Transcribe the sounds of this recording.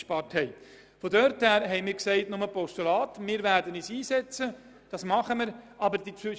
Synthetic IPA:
ʃpɑɾthɛɪ | fɔdœɾthæːɾɦɛɪmɪːɾksɛɪtnʊməpɔstulɑːtmɪːɾvæːɾdəniːsiːsɛt͡sə | d̥ɑsmɑχəməɾʔɑbəɾd̥it͡sʏ

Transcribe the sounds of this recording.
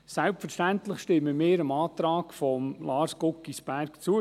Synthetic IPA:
sælpfəɾʃtænt̪lɪχʃtɪmːəmɪːɾəmɑːt̪ɾɑːkfɔmlɑːɾskʊkːisb̥æɾkt͡suə

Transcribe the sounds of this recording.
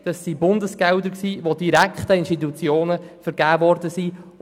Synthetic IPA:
d̪̥ɑsːibʊnd̪əsɡ̥ɛʊd̪əɾksiːʋod̥iɾækχt̪əɪnʃtit̪ut͡sjoːnəfəɾɡ̥æːvɔɾdəsi

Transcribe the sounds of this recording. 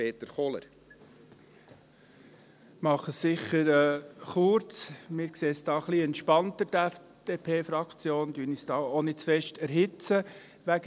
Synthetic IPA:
eːt̪əɾχɔlə̰ɾ | mɑχəsːɪχəɾɛːχʊɾt͡smɪːɾkseːsd̥ɑːχliːɛntʃpɑntədæf | d̥eːpʰeːfɾɑkʰt͡sjoːnd̥yːnisd̥ɑːonɪt͡sfɛʃtæɾɦɪt͡sə | ʋæɡ

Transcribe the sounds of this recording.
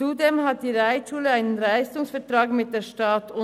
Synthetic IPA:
udeːmhat̚d̥iːʁaɪtʃuːləaɪnənʁaɪstʊŋsfɛɐtʁɑːɡmɪt̚d̥eːʃtɑtʊ

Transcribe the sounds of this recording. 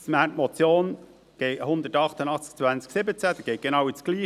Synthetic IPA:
smætmɔt͡sjoːn | ɡ̥ɛɪhʊnd̪ətɑχt̪ənɑχt͡sk̚t͡svænt͡sksɪbət͡sæd̥̪ɛɡ̥ɛɪɡ̥enɑwɪt͡sɡ̥liː

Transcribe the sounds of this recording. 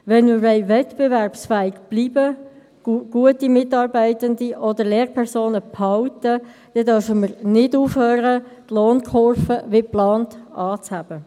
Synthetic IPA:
ʋɛnmɪːɾɛɪvɛtb̥evɛʁpsfɛːiɡb̥liːbə̥ | uɡ̥uətimɪtɑːɾbɛɪtəndiʔɔdəleːɾpʰɛʁsoːnəphɑwtə | d̥ɛdœfəməɾnɪduːfhøːɾətloːnkʰɔɾfəʋeplɑːntɑːt͡shæb̥ə

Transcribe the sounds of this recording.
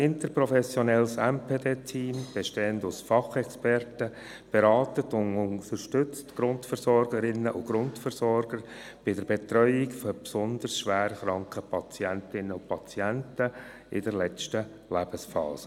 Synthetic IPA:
ɪntəɾpɾɔfɛsjɔnɛlsɛmpʰeːdeːtʰiːmb̥eʃteːəndʊsfɑχɛkspɛrtə | b̥eɾɑːtətʊnʊnt̪əɾʃtʏt͡stɡ̥ɾʊntfəɾsɔɾɡəɾɪnːəʔʊɡ̥ɾʊntfəɾsɔɾɡəɾ | b̥ɪdəɾbetrœʏɪkfɔpsɔnd̪ərsʃʋæːɾəχɾɑŋkχəpʰɑt͡sjæntɪnːəʊpʰɑt͡sjæntə | ɪdəɾlɛt͡ʃtə | læb̥əsfɑ̰ːsə̥

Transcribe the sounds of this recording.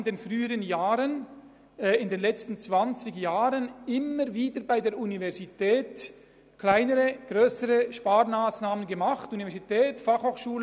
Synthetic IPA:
ndeːnfʁyːəɾənjaːʁənː | ɪndeːnlɛt͡stn̩t͡sv̥ant͡sɪɡjaːʁənɪmːəɾviːdəɾbaɪdeːɾunivɛʁzitɛːt | klaɪnəɾəɡ̥ʁøːsəɾəʃpaːɾnaːsnaːmənɡəmaχtunivɛɐz̥itʰɛːtfaχhoːχʃuːlə

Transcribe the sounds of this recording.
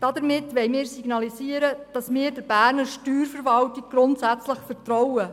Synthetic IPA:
d̥ɑdəɾmɪtʋɛɪmɪːɾsiɡ̥nɑlisiːəɾəd̥ɑsmɪːɾdəb̥æːɾnəɾʃtyːɾfəɾʋɑltɪɡ̚ɡɾʊntsæt͡sləχfəɾtrɔwə

